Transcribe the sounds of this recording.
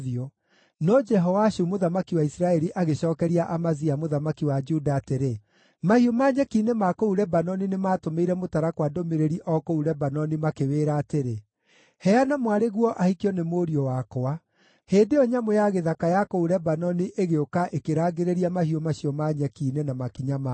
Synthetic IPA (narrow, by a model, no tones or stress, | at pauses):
ðiɔ | nɔd͡ʒɛɦɔwaʃumoðamakiwaisiɾaɛɾiʔaɣeɕɔːkɛɾiaʔamaziamoðamakiwad͡ʒudaːteɾe | mahiomaːɲɛkiːnemakouɾɛbanɔninemaːtomeiɾɛmotaɾakwadomeɾeɾiʔɔkouɾɛbanɔnimakeweːɾaːteɾe | hɛanamwaɾeɣwɔʔahikiɔnemoːɾiɔwakoa | heːndeɔɲamojaɣeðakajakouɾɛbanɔniʔeɣeokaʔekeɾaːɡeɾeɾiamahiomaɕiɔmaɲɛkiːnenamakiɲama